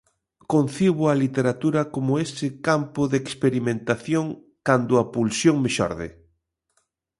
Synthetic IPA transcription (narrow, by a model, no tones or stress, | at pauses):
kon̟θiβʊalit̪eɾat̪uɾɐkomʊesɪkampʊðekspeɾimẽnt̪aθjoŋ | kand̪ʊɐpulsjoŋmeʃɔ̰ɾðɪ̰